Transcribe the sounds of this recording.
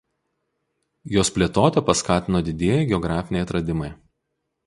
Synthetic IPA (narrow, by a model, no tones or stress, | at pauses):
joːspʲlʲeːt̪oːt̪ʲɛpɐskɑːt̪ʲɪnoːd̪ʲɪd̪ʲeːjɛɪɡʲɛɔɡɾɑːfʲɪnʲeɛɪt̪ɾɐd̪ʲɪmɐɪ